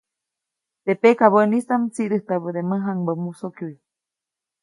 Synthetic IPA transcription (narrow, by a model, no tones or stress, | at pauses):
t̪epekaβəʔnist̪amt͡siʔɾɨht̪aβəd̪eməɦaŋbəmusokjui